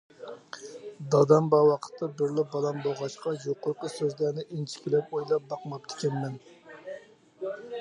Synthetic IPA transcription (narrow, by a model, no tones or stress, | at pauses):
d̪ɑd̪ɑmbɑwɑqʰə̥t̪ʰːɑbɪɾlɪbɑlˠɑmboʁɑʃqɑjoqʊɾqəsøzlæɾnɪʔint͡ʃʰi̥kʲilɛpojlˠɑp̚bɑqmɑp̚t̪ʰɪ̥kʲɛnmɛn